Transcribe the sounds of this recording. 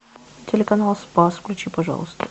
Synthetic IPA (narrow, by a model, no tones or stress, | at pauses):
tʲelʲekɐnalˠspɑsfklʲʉt͡ɕʲipɐʐɑ̰lˠəst̪ə̥̰